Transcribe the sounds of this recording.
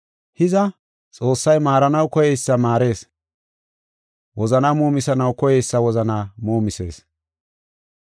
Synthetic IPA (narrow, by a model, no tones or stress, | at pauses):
hɪzɐ | t͡sʼo̞ːsːɐjmaːɾɐnɐwkɔjɛjsːɐmaːɾe̞ːs | wɔzɐnaːmoːmɪsɐnɐwkɔjɛjsːɐwɔzɐnaːmoːmɪse̞̰ːs